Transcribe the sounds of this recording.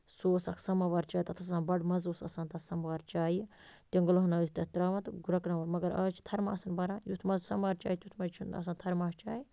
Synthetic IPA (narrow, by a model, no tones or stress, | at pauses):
soːsɐksɐmɐʋaːɾt͡ʃaːjt̪ɐt̪ʰɐssãːnbɐɖmɐzoːsɐ̰saːnt̪ɐsɐmʋaːɾt͡ʃaːji | t̪ʲiŋɡɐlɐɦɐnast̪ɐt̪ɾaːmɐt̪ɡuɾɐkɾɐʋɐɾmɐɡɐɾɐːt͡ʃʰi̥t̪ʰɐɾmaːsɐnbɐɾãːjut̪ʰmɐzsɐmʋaːɾt͡ʃa̰ːjit̪jut̪ʰmɐd͡ʒt͡ʃʰunɐ̰saːnt̪ʰɐɾmaːht͡ʃaːji